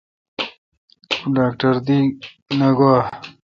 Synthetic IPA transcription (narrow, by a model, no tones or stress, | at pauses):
ɖaːk̚ʈɐɾd̪i | nɐɡwaː